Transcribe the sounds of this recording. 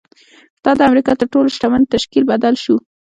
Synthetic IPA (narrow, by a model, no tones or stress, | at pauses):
d̪̥ɑd̪əamɾikɑt̪əɾʈoloʃʈaman̚t̪aʃkilbad̪alʃu